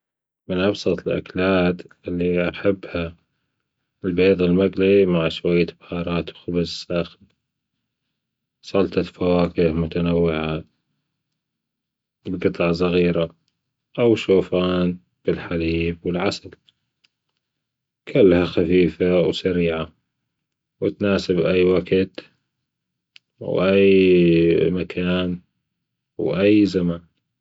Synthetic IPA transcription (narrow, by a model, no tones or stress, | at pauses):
mɪnʔɑbsˤɑt̪ˤɪlʔa̰klaːt̪ʔɪlːiʔaħabːha | lbeːðˤɪlmaɡlimaʕʃwajːabhɑːɾˤɑːt̪wxʊbɪzsaːxl | sˤɑlt̪ˤɑfawaːkɪhmʊt̪anawːɪʕa | bɡɨt̪ˤɑʕs̬ˤɑɣiːɾa | ʔawʃoːfaːn | b̥ɪlħaliːbwɪlʕasal | kʰʊlːhaxafiːfawsaɾiːʕa | wɪt̪naːsɪbʔajːwaɡt̪ | wʔaj | makʰaːn | wʔajːzaman